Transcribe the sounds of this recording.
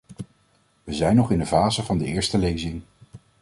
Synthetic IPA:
ʋəzɛjnɔχɪndəvaːzəvɑndəɪːɹstəlejzɪŋ

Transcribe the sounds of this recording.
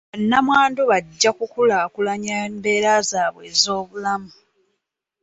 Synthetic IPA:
nːamwaːndoβaɟːakukulaːkulaɲaembe̞ːɾazaːβwe̞ːzo̞ːβulamu

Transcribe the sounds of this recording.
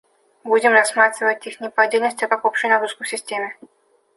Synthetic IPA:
budʲɪmrɐsmat̪ɾʲɪvətʲixnʲɪpadʲelʲnəsʲtʲɐkakopɕɪjnaɾuskəsʲɪsʲtʲemʲɪ

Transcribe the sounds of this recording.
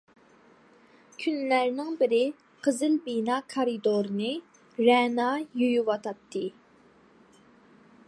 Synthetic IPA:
kʲʰynlæɾnɪŋbɪɾɪ | qʰəzɨlbinɑːkʰɑɾɨd̪oɾɨnɨ | ɾɛnɑːjujuwɑt̪ʰɑt̪ʰːɨ

